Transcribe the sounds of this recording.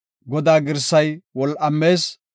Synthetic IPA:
ɡɔd̪aːɡɪɾsɐjwɔlʔɐmːe̞ːs

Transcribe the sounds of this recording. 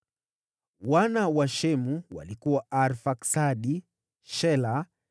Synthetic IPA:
wanawaʃɛmuwa̰likuwaaɾfaksaɗi | ʃɛla

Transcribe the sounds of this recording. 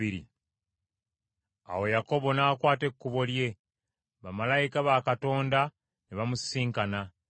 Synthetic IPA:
iɾḭ | a̰wo̞jako̞βo̞naːkwaːte̞kːuβo̞lje̞ | βamalajikaβakato̞ːnda | neβamussiːŋkana

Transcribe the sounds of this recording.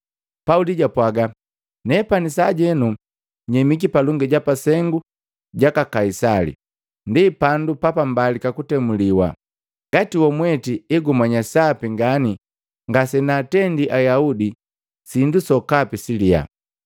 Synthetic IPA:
pauliɟapwaɡa | nɛpanisaɟɛnu | ɲɛmik̬ipaluŋɡɛɟapasɛŋɡu | ɟakakaisalḭ | ndipandupapambalikakutɛmuliwa̰ | ŋɡatiwɔmwɛtiɛɡumaɲasapiŋɡani | ŋɡasɛnaːtɛndiʔajaudi | sindusɔkapisilia̰

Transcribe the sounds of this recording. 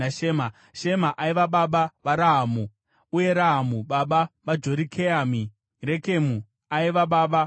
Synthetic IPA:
aʃema | ʃe̞maʔaiʋaɓaɓaʋaɾaɦaːmu | uje̞ɾaɦamuɓaɓaʋad͡ʒoɾikʰeami | re̞ke̞mu | aiʋaɓaːɓa

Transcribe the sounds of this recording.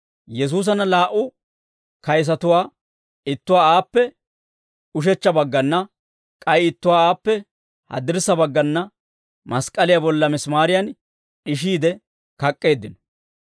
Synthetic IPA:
jɛs̬uːs̬ɐnɐlaːʔʊ | kɐjs̬ɐt̪ʊwaː | ɪt̪ːʊwaːaːpːɛ | ʊʃ̬ɛt͡ʃːɐbɐɡːɐnːɐ | kʼɐjɪt̪ːʊwaːaːpːɛ | hɐ̰d̪ɪɾsɐbɐɡːɐnːɐ | mɐskʼɐlɪjabɔlːɐmɪsmaːɾɪjɐn | ɪʃ̬iːd̪ɛ | kɐkʼːe̞ːd̪ːɪnɔ̥

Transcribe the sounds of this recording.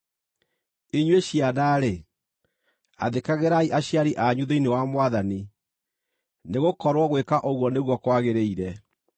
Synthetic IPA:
iɲweɕianaɾe | a̰ðekaɣeɾaiʔaɕjaɾiʔaɲuðeinewamwaðani | neɣokɔɾwɔɣwekaʔoɣwɔneɣwɔkwaɣeɾeiɾɛ

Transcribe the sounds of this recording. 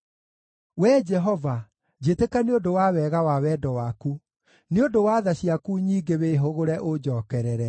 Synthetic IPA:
wɛd͡ʒɛɦɔva | d͡ʑetekaneodowawɛɣawawɛdɔwaku | neodowaðaɕiakuɲiːɡeweɦoɣoɾɛʔod͡ʑɔːkɛɾɛɾɛ

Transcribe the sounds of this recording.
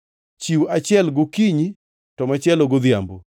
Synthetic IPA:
t͡ʃiwat͡ʃɪɛlɡʊkiɲi | tɔmat͡ʃɛloɡoðjambo

